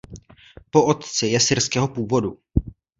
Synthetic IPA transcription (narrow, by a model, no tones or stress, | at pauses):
po̞ʔot̪t͡sɪjɛsɪɾskɛːɦo̞puːvo̞du